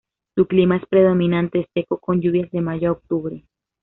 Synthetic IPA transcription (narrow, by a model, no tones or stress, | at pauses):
t̪uklimae̞spɾe̞ðo̞mĩnãnt̪eːst̪e̞ko̞ko̞nɟuβ̞jazðe̞maʝoaok̚t̪uβɾe